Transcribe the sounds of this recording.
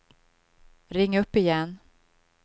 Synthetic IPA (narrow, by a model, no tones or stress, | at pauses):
ɾɪŋːaɵpːɪjɛnː